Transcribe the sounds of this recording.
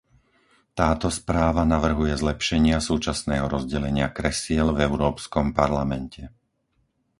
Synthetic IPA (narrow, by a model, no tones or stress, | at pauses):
t̪aːt̪ɔspɾaːʋanaʋr̩ɦujɛzlɛpʃɛɲɪasuːt͡ʃasnɛːɦɔɾɔzɟɛlɛɲɪakɾɛsɪɛlvɛʊɾɔːpskɔmpaɾlamɛncʰɛ